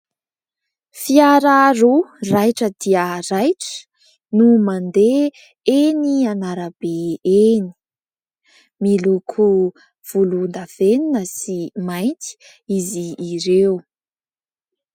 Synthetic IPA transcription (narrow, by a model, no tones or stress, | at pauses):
fiaɾaɾorajʈ͡ʂəd̪iəɾajʈ͡ʂə̥ | numand̪e | enianaɾabeeni̥ | milukʰu | v̥ulund̪av̥eninəsimajnt̪i̥ | iziːɾew